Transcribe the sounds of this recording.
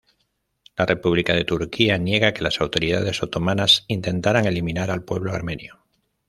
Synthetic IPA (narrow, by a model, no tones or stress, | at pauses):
lare̞puβ̞likað̞e̞t̪uɾkianje̞ɣake̞lasawt̪o̞ɾið̞a̰ð̞e̞so̞t̪o̞mãnasint̪ẽ̞nt̪aɾaŋe̞liminaɾalpwe̞βlo̞a̰ɾmẽ̞njo